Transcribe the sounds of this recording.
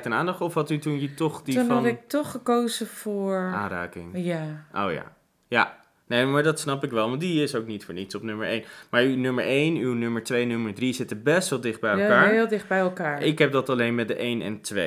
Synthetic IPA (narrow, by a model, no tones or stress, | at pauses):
tənaːndɑχtɔfɦɑtytunjətɔχdinɑntɪk̚tɔχəkowzəfʊːɹa̰ːnra̰ːkɪŋjaʔo̰wja̰ | ja̰ | nejmaːɹdɑtsnɑpɪkʋɛlˠʋɑndiɪsowknitfʊːɹnitsɔpnɵməɹejnmaːɹynømə̰ɹʔejnywnøməɹtʋejnøməɹdrizɪtəbɛstʋɛlˠdɪχd̚bɛjɛlˠkaːɹɹɦɪːlˠdɪχbɛjɛlˠkaːɹɪkɦɛp̚dɑtɑlejnmɛt̚dəʔejnɛ̰ntʋe